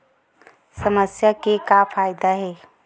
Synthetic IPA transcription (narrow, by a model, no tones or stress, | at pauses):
səməsjakekapʰaːɪd̪aɦɛː